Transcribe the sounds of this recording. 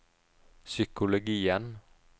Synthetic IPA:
sʏkʊlʊɡiːən

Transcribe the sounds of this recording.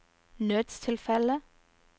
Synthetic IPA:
nøːt̪st̪ʰɪlfɛlə

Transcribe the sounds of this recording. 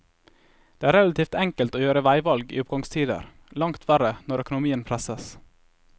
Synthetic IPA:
d̪eːæːɾɛlɑt̪ʰiːft̪ɛŋkəlt̪oːjøːɾəʋæɪʋɑlɡḭːʊpɡɑŋst̪ʰiːd̪ə̰ɾ | lɑŋt̪ʰʋæɾənɔɾœkʊnʊmiːənpʰɾɛsəs

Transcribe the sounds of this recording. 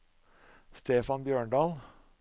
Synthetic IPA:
st̪ʰeːfɑnbjøːɳɖɑːl

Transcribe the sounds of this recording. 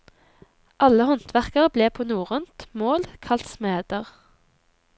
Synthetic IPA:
ʔɑləhɔnt̪ʰʋæʁkəʁbleːpʰoːnuːʁʉnt̪moːlkʰɑlt̪smeːd̪̥əʁ

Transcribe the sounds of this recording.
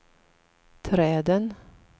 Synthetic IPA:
t̪ʰɾɛːd̪ən

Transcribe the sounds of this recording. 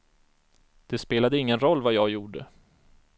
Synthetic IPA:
d̪̥ɛspeːlad̪əɪŋːənɾɔlːvajɑːɡjuːɖə̰

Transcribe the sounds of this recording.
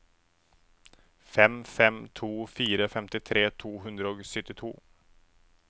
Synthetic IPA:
fɛmfɛmt̪ʰuːfiːɾəfɛmt̪ɪt̪ʰɾeːt̪ʰuːɦɵnd̪ɾaɔksʏt̪ːɪt̪ʰṵː

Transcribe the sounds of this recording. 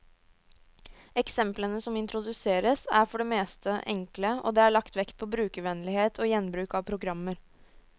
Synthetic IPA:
ɛksɛmplənəsɔmɪnt̪ɾʊd̪ʉseːɾəsæɾfɔɖɛmeːst̪ʰəʔɛŋkləɔ̰d̪ɛːæɭɑkt̪ʋɛkt̪̚pʰɔbɾʉːkəʋɛnlɪheːt̪ʰoːjɛnbɾʉːkɑʋpʰɾʊɡɾɑmːəɾ

